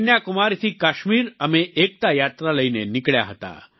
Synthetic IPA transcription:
njakumaɾt̪ʰiːkaɕmiːɾəmeʔek̚t̪ajat̪ɾaləinenikɭja̰ɦət̪a̰

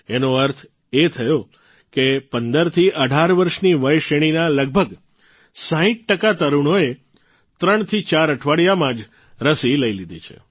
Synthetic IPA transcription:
enoəɾt̪ʰ | et̪ʰəjo | kepənd̪əɾt̪ʰiʔəɖʱaɾʋəɾʃniʋəjʃeɽ̃inaləɡ̚bʱəɡ | sãɦĩʈ̚ʈəkat̪əɾuɳ̃oe | t̪ɾəɳ̃t̪ʰit͡ʃaɾəʈʰʋaɽjamãd͡ʒ | ɾəsiləilid̪it͡ʃʰḛ

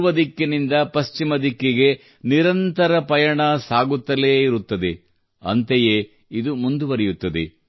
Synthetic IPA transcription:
ʋɐd̪ikːenind̪ɐpɐst͡ʃimɐd̪ikːeɡe̞ | niɾɐnt̪ɐɾɐpɐjɐɳɐsaːɡut̪ːɐleːiɾut̪ːɐd̪e̞ | ɐ̰nt̪eje | id̪umund̪uʋɐɾɛjut̪ːɐd̪ḛ

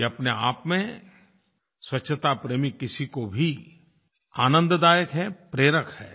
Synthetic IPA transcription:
ɐpneaːpmẽ | swɐtːʃʰət̪apɾeːmikɪsikobʱi | a̰ːnə̃nd̪d̪aːjəkɦɛpɾeːɾəkʰhɛː

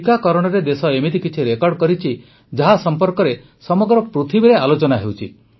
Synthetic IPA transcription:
ikakɔɾɔɽ̃ɔɾed̪esɔemit̪ikit͡ʃʰiɾekɔɾɽkɔɾit͡ʃʰi | d͡ʒaɦasɔmpɔɾkɔɾe | sɔmɔɡɾɔpɾut̪ʰibiɾealot͡ʃɔnaɦewt͡ʃʰi

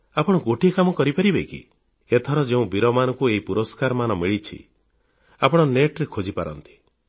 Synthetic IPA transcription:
apɔɽ̃ɔɡoʈikamɔkɔɾipaɾibekḭ | et̪ʰɔɾɔd͡ʒeũbiɾɔmanɔŋkueɦipuɾɔskaɾɔmanɔmiɭit͡ʃʰḭ | apɔɽ̃ɔneʈɾekʰod͡ʒipa̰ɾɔnt̪i̥

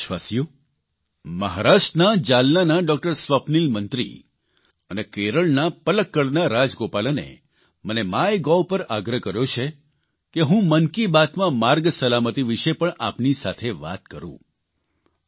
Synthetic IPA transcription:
ʃʋasijo | məɦaɾaʃʈnad͡ʒalnanaɖɔk̚ʈəɾsʋəpnilmənt̪ɾḭ | ənekeɾəɭnapələkːəɽnaɾad͡ʒɡopalanḛ | mənemajɡɔwpəɾaɡɾəɦkəɾjot͡ʃʰe | keɦũmənkibat̪mãmaɾɡsəlamət̪iʋiʃepəɳʔa̰pnisat̪ʰeʋa̰t̪̚kəɾṵ̃

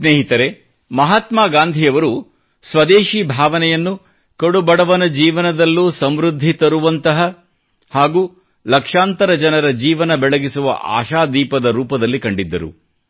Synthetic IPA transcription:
sneːɦit̪ɐɾe̞ | mɐɦaːt̪maːɡaːnd̪ʱijɐʋɐɾu | sʋɐd̪eːʃiːbʱaːʋɐnɛjɐnːu | kɐɽubɐɽɐʋɐnɐd͡ʒiːʋɐnɐd̪ɐlːuːsɐmɾud̪ʱːit̪ɐɾuʋɐnt̪ɐɦɐ | haːɡuː | lɐkʂaːnt̪ɐɾɐd͡ʒɐnɐɾɐd͡ʒiːʋɐnɐbɛɭɐɡisuʋɐ̰ʔa̰ːʃaːd̪iːpɐd̪ɐɾuːpɐd̪ɐlːikɐɳɖid̪ːɐɾṵ

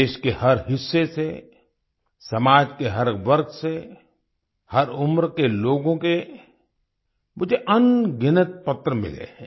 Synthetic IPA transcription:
eːʃkehɐɾɦɪsːese | sɐmaːd͡ʒkeɦɐɾʋɐɾɡse | hɐɾʊmɾkeloːɡõke | mʊd͡ʒʱeʔɐnɡɪnət̪̚pɐt̪ɾəmɪ̰lḛɦɛ̃ː

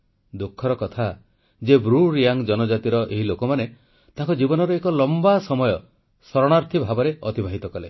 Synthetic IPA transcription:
d̪ukʰːɔɾɔkɔt̪ʰa | d͡ʒebɾuɾijaŋd͡ʒɔnɔd͡ʒat̪iɾɔʔeɦilokɔmane | t̪ãŋkɔd͡ʒibɔnɔɾɔekɔlɔmbasɔmɔjɔ | sɔɾɔɽ̃aɾt̪ʰibʱabɔɾeɔt̪ibʱaɦit̪ɔkɔle

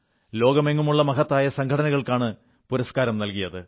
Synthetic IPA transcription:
lo̞ːɡɐme̞ŋːumuɭːɐmɐɣɐt̪ːaːjɐsɐŋkʰɐɽɐnɐɣɐɭkaːɳɨ | puɾɐskaːɾɐmnɐlkijɐðɨ

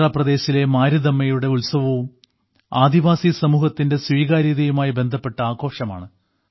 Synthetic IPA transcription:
ɭaprɐd̪e̞ːɕile̞maːɾud̪ɐmːɐjuɽe̞ulsɐʋɐum | aːd̪iʋaːsisɐmuːhɐt̪ːinde̞sʋiːɣaːɾiðɐjumaːjibe̞nd̪ʱɐpːe̞ʈːɐaːɣo̞ːʂɐma̰ːɳɨ

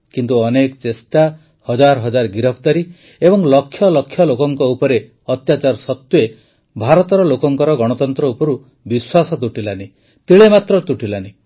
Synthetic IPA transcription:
kint̪uɔnekt͡ʃesʈa | hɔd͡ʒaɾɔɦɔd͡ʒaɾɡiɾɔp̚ʰt̪aɾi | ebɔŋlɔkʰːjɔlɔkʰːjɔlokɔŋkɔupɔɾe | ɔt̪jat͡ʃaɾsɔt̪je | bʱaɾɔt̪ɔɾɔlokɔŋkɔɾɔɡɔɽ̃ɔt̪ɔnt̪ɾɔupɔɾu | biswasɔt̪uʈilani | t̪iɭemat̪ɾɔt̪uʈilani

